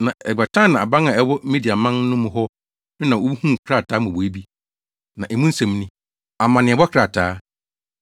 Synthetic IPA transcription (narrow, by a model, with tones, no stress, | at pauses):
nã˨ɛ˨ba˨tʰã˦˨nã˨a˨bã˦nã˨ɛ˦wɔ˦me˦di˨a˨mã˦n˦nʊ̃˦mʊ̃˨ɦɔ˦ | nʊ̃˦nã˨wo˦bu˦hũ˦˨kʰɾa˨tʰaː˨˦mʊ̃˨wɔ˨e˦bi˦ | nã˨ʔɛ˨mũ˦n̩˦sɛ̃˨m˦nɪ̃˦ | a˨mã˨nɪ̃˨ɛ˨wɔ˦kʰɾa˨tʰaː˦